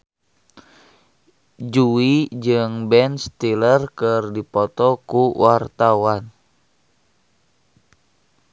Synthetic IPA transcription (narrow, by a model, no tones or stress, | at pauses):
d͡ʒuid͡ʒɨŋbɛnst̪ilərkɨrdipɔt̪ɔkuwart̪awan